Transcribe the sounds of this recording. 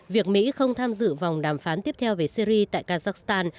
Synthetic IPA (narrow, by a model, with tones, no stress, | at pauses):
vi˨˩ək̚mḭ˧˥xə˧wŋ͡mt̪ʰaː˧mzɨ̰˧˨va˨˩wŋ͡mɗaː˧˩mfaː˨˦nt̪i˦˥əp̚t̪ʰɛ˧wve˨˩si˧ɾi˧t̪a̰ː˧˨jkaː˧zaː˦˥k̚st̪aː˧n